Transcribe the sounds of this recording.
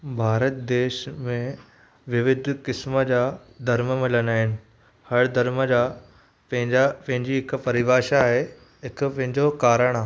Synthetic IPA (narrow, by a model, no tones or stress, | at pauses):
bʱaːɾət̪d̪eːʃmẽ | ʋɪʋɪd̪ʱkɪsməd͡ʑaː | d̪ʱɐɾməmɪ̃lənaːɦɪnɪ̆ | hɐɽd̪ʱɐɾməd͡ʑaː | pɐ̃ɦɪ̃ɲd͡ʑapɐ̃ɦɪ̃ɲd͡ʑiɦɪkpɐɾɪʋaːʃaaːɦe | ɦɪkʊpɐ̃ɦɪ̃ɲd͡ʑokaːɾəɽ̃aːɦ